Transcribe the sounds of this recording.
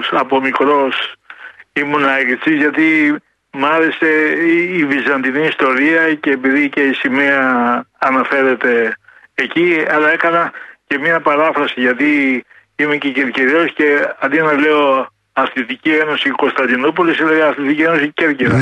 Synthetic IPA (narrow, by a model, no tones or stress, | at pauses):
sɐpo̞mikɾo̞s | imunɐɾit͡sizʝɐt̪i | mɐɾe̞se̞ivizɐnd̪iniːst̪o̞ɾiɐce̞ːpiðice̞isimeɐːnɐfe̞ɾe̞t̪e̞ː | ciɐlɐe̞kɐnɐce̞mɲɐpɐɾɐfɾɐsiʝɐt̪i | imecece̞ɾciɾosce̞ɐnd̪ienɐle̞o̞ | ɐθlit̪icie̞no̞siko̞nst̪ɐnd̪inop̬olisilɐðiɐθlit̪icie̞no̞sice̞ɾceɾɐ